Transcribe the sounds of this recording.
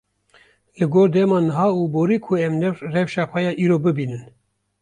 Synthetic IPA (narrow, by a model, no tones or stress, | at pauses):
lɨɡoːɾd̪ɛmɑːnɨɦɑːuːboːɾiːkʰʊɛmnɛrɛvʃɑːxʷɛjɑːʔiːɾoːbɨbiːnɨn